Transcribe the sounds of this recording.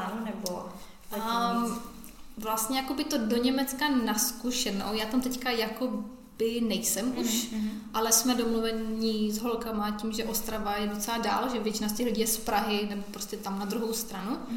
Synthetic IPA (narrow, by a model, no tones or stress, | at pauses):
nɛbo | vlast̪ɲɛjako̞bɪt̪o̞doɲɛmɛt͡skanaskuʃɛno̰jaːt̪amt̪ɛckajako | bɪnɛjsɛmʔuʃʔalɛsmɛdomluvɛizɦolkamacimʒɛʔo̞st̪ɾavajɛdot͡sɛlada̰ːlʒɛvjɛt͡ʃɪnas̬t̪ɛɣliɟijɛspɾaɦɪnɛbopɾoscɛt̪amnad̪ɾuɦowst̪ɾanu